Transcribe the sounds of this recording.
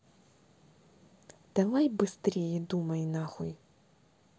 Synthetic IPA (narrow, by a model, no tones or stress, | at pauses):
d̪̥ɐlˠajbɪst̪ɾʲijɛd̪umɐjnɑxɔj